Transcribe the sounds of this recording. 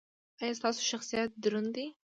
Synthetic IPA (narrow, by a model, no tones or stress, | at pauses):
ajɑst̪ɑːso̥ʃaxsijat̪̚d̪ʊɾʊnd̪i